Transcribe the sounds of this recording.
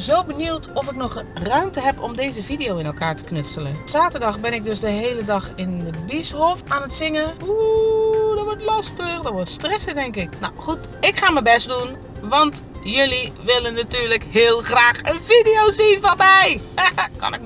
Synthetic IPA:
zowbənuwtʰɔfɪknɔxrœɥmtəɦɛpɔ̰mdeːzəfidijowɪnɛlˠkaːɹtə̥knøtsələnz̥aːtəɹdɑxbɪnɪk̚døsdəɦeːlədɑxɪndəbishɔfaːnətsɪŋəu | dɔʋɔɹtlɑstəxdɔʋɔɹtstrɛsədɛŋkɪkna̰wxut | ɪkxaːməbɛstdun | ʋɑnt | jøliʋɪlənːatyːɹləkhɪːlˠxraːxənvidijoːzinvɔnmɛjkɑ̰nɪk

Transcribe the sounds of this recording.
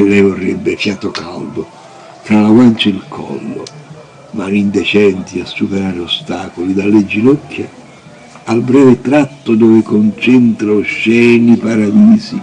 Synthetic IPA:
lːɛjvʊrːɛbːɪfjaːt̪ʊka̰ld̪ʊ | t̪ɾalaɡwant͡ʃailkʰɔ̰lːʊ̰ | manind̪ɛt͡ʃɛnt̪iasːupeɾaːɾɪost̪aːkolid̪alːed͡ʒinɔkʰːa | albɾɛːvɪt̪ɾat̪ːʊd̪ɔːvɪkont͡ʃɛnt̪ɾaoʃːɛːnipaɾad̪iːsi

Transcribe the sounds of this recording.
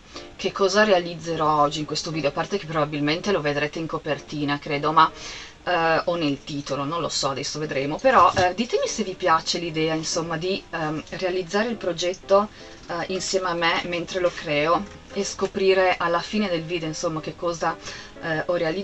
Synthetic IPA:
kekʰːɔːzaɾealid̪zːeɾɔɔd͡ʒːiŋkwest̪ovid̪eopart̪ek̟epːɾobabilment̪eloved̪ɾeːt̪eiŋkopert̪iːnakɾeːd̪oma | ɔnelt̪iːt̪olonõnlo̰sɔad̪ɛsːoved̪ɾeːmopeɾɔʔd̪iːt̪emisevipjat͡ʃelid̪ɛːainsomːad̪irealid̪zːaːɾeilpɾod͡ʒɛt̪ːo | insjɛːmeamːement̪ɾelokɾɛːo | eskopɾiːɾeʔalːafiːned̪elviːd̪eoinsomːakekːɔːza | ʔɔreali

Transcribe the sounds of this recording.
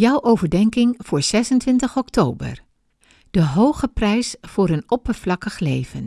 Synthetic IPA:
jʌwʔowvəɹdɛŋkɪŋv̥ʊːɹz̥ɛsəntʋɪntəχɔktʰoːbə̰ɹ | d̥əɦowχəprɛjsfʊːɾənɔpəɹvlɑkəχlejv̥ən

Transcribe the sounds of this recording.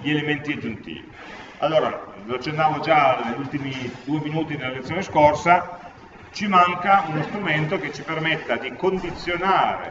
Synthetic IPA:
ʎielement̪iad͡ʒːunt̪ḭːvḭ | a̰lːoːɾa̰ | loat͡ʃːenːaːvod͡ʒaneʎːult̪imid̪uːeminuːt̪inelːalet̪sːjoːneskorsa | t͡ʃimaŋkaunost̪ɾument̪ok̟et͡ʃːipermet̪ːad̪ikond̪it̪sːjonaːɾḛ

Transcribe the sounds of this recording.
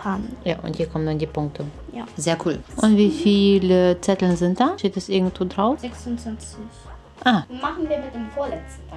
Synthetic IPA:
anjaːʔʊ̰nthiːɐkʰɔmənandiːpʊŋk̚tʰəjazeːɐkʰuːlʔʊntv̥iːfiːlət͡sɛtl̩nzɪnt̚d̥aːteːtɛstʔɪɐɡŋ̩tv̥oːdʁaʊfɛksʊntsant͡sɪç | ʔaːmaχn̩viːɐmɪt̚d̥eːmfoːɐlɛt͡stn

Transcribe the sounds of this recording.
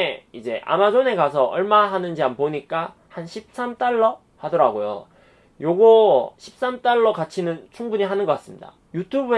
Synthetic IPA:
eid͡ʑe̞ʔa̰mad͡ʑone̞kasʰʌʔʌɭmaɦanɯnd͡ʑianpoɲik͈a | hanɕʰip̚s͈amt͈aɭːʌ | hadʌɾaɡojo̰ | joɡoɕʰi̥p̚s͈amt͈aɭːʌkat͡ɕʰinɯnt͡ɕʰuŋbuɲiɦanɯnɡʌk͈as͈ɯmɲida̰ | jutʰubue

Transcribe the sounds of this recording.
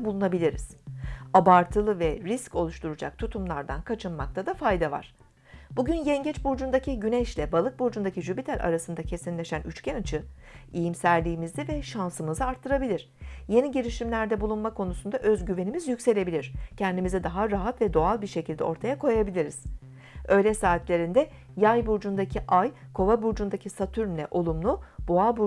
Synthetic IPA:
bulˠunabilʲiɾiz̥abaɾt̪ʰɯlˠɯvɛɾisco̞lˠuʃt̪ʰuɾud͡ʒa̰k̚t̪ʰut̪ʰumlˠaɾd̪ankʰat͡ʃʰɯnmak̚t̪ʰad̪afajd̪ava̰ɾ̥ | buɟynjɛɲɟɛt͡ʃbuɾd͡ʒund̪acʰiɟynɛʃlʲɛbalˠɯk̚buɾd͡ʒund̪aciʒybit̪ʰæɾʲʔa̰ɾasɯnd̪acʰe̞sinlʲe̞ʃænʔyt͡ʃcʰænt͡ʃʰɯijimsæɾlʲiːmizd̪ɛvɛʃansɯmɯzɯaɾt̪ʰːɯɾabilʲiɾ̥je̞niɟiɾiʃimlʲæɾd̪ɛbulˠunmakʰo̞nusund̪aʔøzɟyve̞nimizjycse̞lʲe̞bilʲiɾ̝̥cʰɛnd̪imizɛd̪aɦaɾaɦat̪vɛd̪o̞alˠbiɾʃe̞cilʲd̪ɛo̞ɾt̪ʰajakʰo̞jabilʲiɾiz̥ | ø̞jlʲɛsaːit̪lʲe̞ɾind̪ɛ | jajbuɾd͡ʒund̪acʰiʔajkʰo̞vabuɾd͡ʒund̪acʰisat̪ʰyɾmlʲɛ̰ʔo̞lˠumlˠuboabu

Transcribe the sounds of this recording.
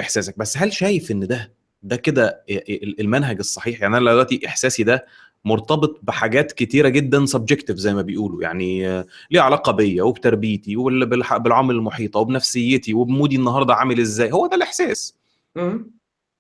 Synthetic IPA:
ʔeħsæːsæk̚bæsːɦælʃæːjefʔenːd̪æ | d̪æked̪æ | elmænɦæɡesˤːɑħiːħjaʕniʔænlælelwæʔt̪iʔeħsæːsid̪æ | moɾˤt̪ˤɑbet̪ˤbeħaɡæːt̪ket̪iːɾæɡed̪ːænsob̚d͡ʒekt̪evzæjːmæbejʔuːloja̰ʕnileːʕalɑqɑbejːæwebt̪æɾˤbiːt̪iweebelħabelʕamælelmoħiːt̪ˤɑwebnæfsejːet̪iwebmuːd̪iʔenːɑɦɑɾˤd̪ˤɑʕamelʔezːæːjhowːæd̪ælʔeħsæːs

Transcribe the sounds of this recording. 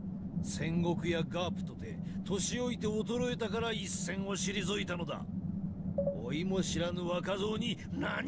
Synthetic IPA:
sẽ̞ŋɡo̞kɯ̟jaɡapɯ̟̥t̪o̞d̪e̞̰t̪o̞ɕio̞it̪e̞ot̪o̞ɾo̞e̞t̪akaɾaisːẽ̞ɰ̃o̞ɕiɾʲizoit̪ano̞d̪a̰ | oimo̞ɕiɾanɯβakazo̞ːɲ̟i | na

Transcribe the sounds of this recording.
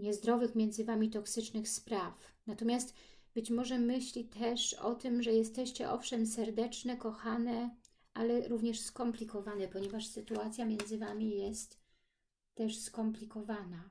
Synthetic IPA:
ɲɛzd̪ɾɔvɘxmʲjɛnd̪zɘvamʲit̪ɔksɘt͡ʂnɘxspɾaf | nat̪ɔmʲjast̪ | b̥ɘt͡ɕmɔʐɛmɘɕlʲit̪ʰɛʂɔ̰t̪ɘmʐɛjɛst̪ɛɕt͡ɕɛʔɔfʂɛmsɛɾd̪ɛt͡ʂnɛkɔxanɛ | ʔalɛɾuvɲɛʂskɔmplʲikɔvanɛpɔɲɛvaʂsɘt̪uat̪sʲjamʲjɛnd̪zɘvamʲijɛst̪ː | ɛʂskɔmplʲikɔvana

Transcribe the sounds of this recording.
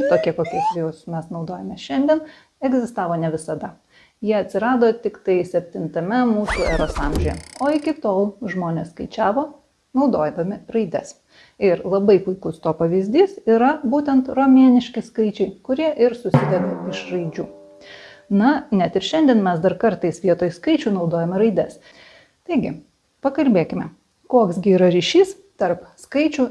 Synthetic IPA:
t̪oːkʲiɛkoːkʲuɔsʋʲjʊsmʲɛsnɒʊd̪oːjɛmʲɛːʃʲɛnʲd̪ʲɛn | ɛɡzʲɪst̪ɑːʋoːnʲɛʋʲɪsɐd̪ɐ | jiɛɐt̪ʲsʲɪɾɑːd̪oːt̪ʲɪkt̪ɐɪsʲɛpʲt̪ʲɪnt̪ɐmʲɛmuːsuːɛɾoːsɑːˑmʲʒʲojɛ̰oːɪkʲɪt̪oːlˠʒmoːnʲeːsskɐɪt͡ʃʲæːʋoː | nɒʊd̪oːjmʲɪrɐɪd̪ʲɛs | ɪɾlˠɐbɐɪpʊɪkʊst̪oːpɐʋʲɪzʲd̪ʲiːsiːɾɐbuːt̪ʲɛnt̪ɾoːmʲiɛnʲɪʃʲkʲɪskɐɪt͡ʃʲɛɪkʊɾʲiɛʔɪɾsʊsʲɪd̪ʲɛkɐɪʃrɐɪd͡ʒʲuː | nɐnʲɛt̪ɪɾʃʲɛnʲd̪ʲiɛnmʲɛsd̪ɐɾkɐɾt̪ɐɪsʋʲiɛt̪oːjskɐɪt͡ʃʲuːnɒʊd̪oːjɛmʲɛɾɐɪd̪ʲɛs | t̪ɐɪɡʲɪ | pɐkɐlʲbʲeːkʲɪmʲɛ | koːksɡʲɪiːɾɐɾʲiʃʲiːs | t̪ɐɾpskɐɪt͡ʃʲuː

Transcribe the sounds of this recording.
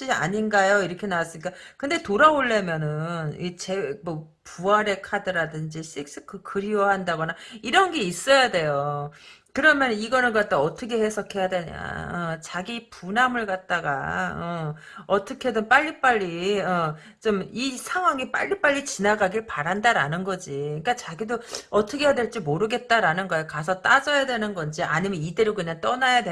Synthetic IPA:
a̰ɲinɡajoiɾʌkʰe̞nawas͈ɯmɲik͈akɯnde̞toɾaoɭːe̞mjʌnɯnit͡ɕe̞mʌ | puaɾe̞kʰadɯɾadɯnd͡ʑiɕʰik̚s͈ɯ̥kʰɯkɯɾiwʌɦandaɡʌnaiɾʌnɡe̞is͈ʌjade̞jo | kɯɾʌmjʌniɡʌnɯɭkat̚t͈aʌt͈ʰʌkʰe̞hesʰʌkʰe̞jadeɲa̰ʌt͡ɕaɡipunamɯɭɡat̚t͈aɡa̰ʌ | ʌt͈ʰʌkʰe̞dɯnp͈aʎːip͈aʎːiʌ | t͡ɕomisʰaŋɦwaŋip͈a̰ʎːip͈aʎːit͡ɕinaɡaɡiɭpaɾandaɾanɯnɡʌd͡ʑiɯk͈at͡ɕaɡidoʌtʰʌkʰe̞jadwe̞ɭt͡ɕ͈imoɾɯɡe̞t̚t͈aɾanɯnɡʌjokasʰʌt͈ad͡ʑʌjadwe̞nɯnɡʌnd͡ʑiʔa̰ɲimjʌnide̞ɾokɯɲaŋt͈ʌnajadwe

